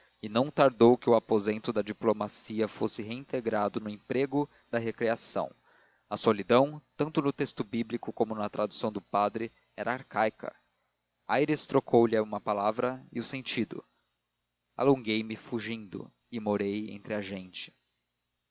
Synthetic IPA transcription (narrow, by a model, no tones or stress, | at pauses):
ɪnɐ̃w̃t̪aɾd̪owkɪʊapozẽnt̪ʊd̪ɐd͡ʒiplomasiɐfosɪɦeĩt̪eɡɾad̪ʊnʊẽpɾeɡʊ | d̪̥ɐɦekɾiasɐ̰̃w̃ | ɐsolid̪ɐ̃w̃t̪ɐ̃nt̪ʊnʊt̪est̪ʊbiblikʊkõmʊnɐt̪ɾad̪usɐ̃w̃d̪ʊpad̪ɾɪ | ɛɾɐaɾkajkʰɐ̰ | ajɾɪst̪ɾokʰowlɪũmɐpalavɾɐɪʊsẽnt͡ʃid̪ʊ̰ | a̰lõŋɡejmɪfuʒĩnd̪ʊ̰ | ɪmoɾejḛ̃nt̪ɾɪaʒẽnt͡ʃɪ̥